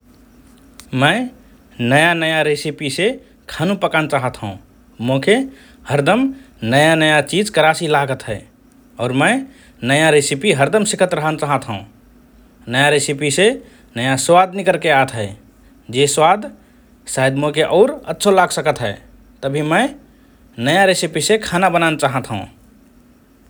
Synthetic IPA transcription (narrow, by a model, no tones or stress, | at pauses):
məɪ | nəjanəjaɾesipise | kʰanũpəkant͡ʃaɦət̪ɦəũ | mõke | həɾd̪əm | nəjanəjat͡ʃid͡ʒkəɾasilaɡət̪ɦɛ | ɔːɾmə̃ɪ | nəjaɾesipiɦəɾd̪əmsikʰət̪ɾəɦənt͡ʃaɦət̪ɦəũ | nəjaɾesipise | nəjaswad̪nikəɾkeat̪ɦə | d͡ʒeswad̪ | sajəd̪mokeʔɔʊɾətːʃʰolaksəkət̪ɦəɪ | t̪əbʱiməɪ | nəjaɾesipisekʰanabənant͡ʃaɦət̪ɦṵ̃